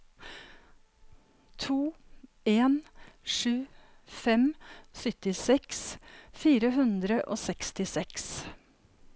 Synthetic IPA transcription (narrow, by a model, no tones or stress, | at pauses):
t̪ʰuː | eːnʂʉː | fɛmsʏt̪ɪsɛksfiːɾəɦʉnd̪ɾəʔo̰ːsɛkst̪ɪsɛks